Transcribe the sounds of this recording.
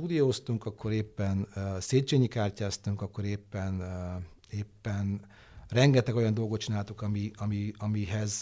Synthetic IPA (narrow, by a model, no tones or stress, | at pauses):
uːd̪ijoːst̪uŋkɒkːo̞ɾeːpːɛnseːt͡ʃeːɲikaːrcaːst̪uŋkɒkːo̞ɾeːpːɛn | eːpːɛn | rɛŋɡɛt̪ɛɡo̞jɒnd̪o̞lɡot̪t͡ʃinaːlt̪ukɒmiɒmiɒmiɦɛz